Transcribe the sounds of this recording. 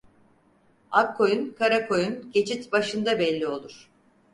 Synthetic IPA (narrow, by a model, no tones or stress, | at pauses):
ap̚kʰo̞junkʰaɾakʰo̞junɟe̞t͡ʃʰit̪baʃɯnd̪abɛlʲːio̞lˠuɾ̥